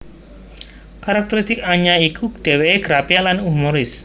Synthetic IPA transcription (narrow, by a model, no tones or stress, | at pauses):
kaɾak̚t̪ɛɾist̪ɪkaɲaikʰud̥e̤weeɡ̥ɾapialanumoɾɪs